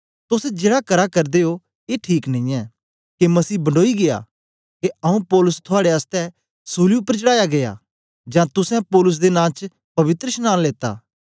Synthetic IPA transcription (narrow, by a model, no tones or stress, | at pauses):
t̪ʊsɛ̃d͡ʒeːɽakɐɾakɐɾd̪eɦo | eːʈʰiːknɐ̃ĩːɛː | kemɐsiːbɐɳɖoːiɡea̰ | keɐũpɔːlʊst̪ʰʊaːɽeast̪ɛ | suːliʊpːəɾt͡ʃəɽaːjaɡeja̰ | d͡ʒãːt̪ʊsɛ̃pɔːlʊs̬d̪enãːt͡ʃ | pɐʋɪt̪ɾəʃnãːnleːt̪a̰ː